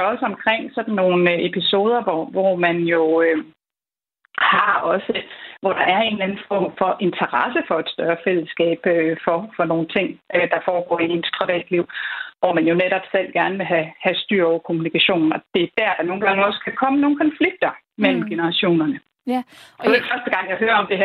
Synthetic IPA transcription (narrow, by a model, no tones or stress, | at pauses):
ɒ̽səɒ̽mkʰʁeŋ̰sɒ̽d̥n̩ːo̝ːn̩e̝pʰiso̝ːð̞ˠɐʋɒʋɒmænjo̝ø | hɑ̈ɒ̽səʋɒɾ̥ɑ̈ʔæɐe̝ːnlænn̩fɒ̰ːmfɒ̽ʔe̝nt͡sʰɐʁɑsəfɒ̽e̝d̥sd̥ɶɐfel̰əsɡ̥ɛ̰ːb̥øfɒ̽fɒ̽no̝ːn̩t͡sʰe̝ŋ̰d̥ɑ̈fɒːɡ̥ɒ̰ːiinspʰʁiʋɛ̰ːd̥liʊ̰ʋɒmænjo̝neɾ̥ɒb̥sel̰ɡ̥æɐnəʋe̝ɦæhæsd̥y̰ɐ̰ɒʊɐkʰo̝munikʰæɕo̝̰ːnn̩ɒ̽d̥e̝d̥æɐ̰d̥ɑ̈no̝ːn̩ɡ̥ɑ̈ŋəɒ̽sə̥kʰækʰɒ̽məno̝ːn̩kʰɒ̽nfliɡ̥̚d̥ɐ | mel̰m̩ɡ̥e̝nəʁɑ̈ɕo̝̰ːnɐnə | ɒd̥efɶɐsd̥əɡ̥ɑ̈ŋ̰jɑ̈ɪɦøːɐɒ̽md̥e̝ɦæ